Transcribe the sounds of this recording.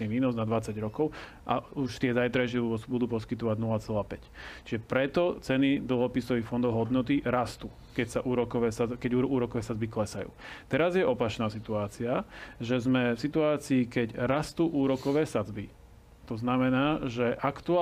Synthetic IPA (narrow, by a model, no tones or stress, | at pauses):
iʋiːnɔznad̪ʋat͡saɟɾɔkɔʊ | ʔa̰uʃt̪ɪɛzajt̪ɾaʃɪɛbud̪uːpɔskit̪ɔʋaɟnulat͡sɛlaːpɛct͡ʃiʒɛpɾɛt̪ɔt͡sɛnid̪l̩ɦɔpisɔʋixfɔnd̪ɔʊɦɔd̪nɔt̪iɾast̪uː | kɛcsaʔuːɾɔkɔʋɛːsakɛɟuuːɾɔkɔʋɛːsad͡zbiklɛsajṵːt̪ɛɾazjɛʔɔpat͡ʃnaːsit̪uaːt͡siaʒɛzmɛfsit̪uaːt͡siːkɛɟɾast̪uːʔuːɾɔkɔʋɛːsad͡zbi | t̪ɔznamɛnaːʒɛʔakt̪ua